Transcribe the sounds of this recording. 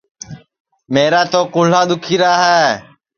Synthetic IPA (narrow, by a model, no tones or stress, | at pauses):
meːɾaːt̪oːkʊːl̤aːɗ̪ʊkʰiːɾaːɦɛː